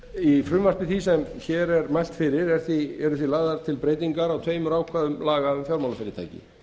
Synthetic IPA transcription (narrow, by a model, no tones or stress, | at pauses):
ifɾʏmvasp̪ɪθisɛmçɛɾɛɾmajl̥t̪fɪɾɪɾɛɾ̥θiɛɾʏθvilaːðaɾ̥t̪ʰɪlpɾeːjt̪iŋkaɾawt̪ʰvejmʏɾaːwkʰvaðʏmlaːɣaʏmfjɔwɾmawlafɪɾɪɾt̪ʰa̰jcɪ̰